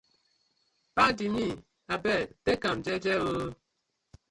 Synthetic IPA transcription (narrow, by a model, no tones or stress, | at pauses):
padimi | abɛtekamd͡ʒɛd͡ʒɛwə